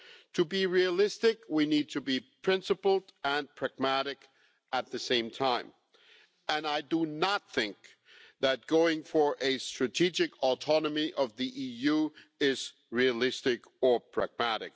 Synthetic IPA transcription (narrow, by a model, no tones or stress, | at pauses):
tʰɨbiɹiɨlɪstɪkwinid̚tʰɨbipʰɹ̥ɪ̃nsɨpl̩ˠə̃npʰɹ̥æɡ̚mæɾɨk | ɨt̪̚ðɨsẽɪ̃mtʰãɪ̃m | ɨ̃naɪdənət̪̚θɪ̃ŋk̚ | ðɨt̚ɡ̥oʊɪ̃ŋfə˞ʔɨstɹ̥ɨtʰid͡ʒɨkʰɔtʰɑnəmiʔʌvðiʔijuɪz̥ | ɹiɨlɪstɪk | ə˞pʰɹ̥æ̰ɡ̚mæɾɪ̰k̚